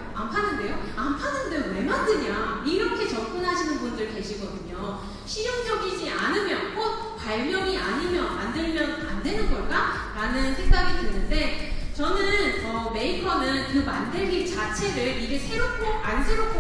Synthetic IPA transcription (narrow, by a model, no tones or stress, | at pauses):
ampʰanːɯnde̞joampʰanːɯnde̞we̞mandɯɲaiɾʌkʰe̞t͡ɕʌp̚k͈ɯnɦaɕʰinɯnbundɯɭke̞ɕʰiɡʌdɯɲo | ɕʰid͡ʑʌŋd͡ʑʌɡid͡ʑianɯmjʌnkot̚ | paɭmjʌŋiaɲimjʌnandɯɭmjʌnandwe̞nɯnɡʌɭk͈a | ɾanɯnsʰe̞ŋɡaɡidwenːɯnde̞t͡ɕʌnɯnʌme̞ikʰʌnɯnkɯmandɯɭɡit͡ɕat͡ɕʰe̞ɾɯɭiɡesʰe̞ɾok̚ʰːoansʰe̞ɾokʰo